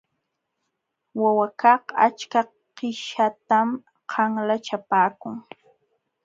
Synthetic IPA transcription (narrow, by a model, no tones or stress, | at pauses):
wawakɑha̰t͡ʃka | qɪʃat̪am | qʰɑŋlat͡ʃapaːkʊŋ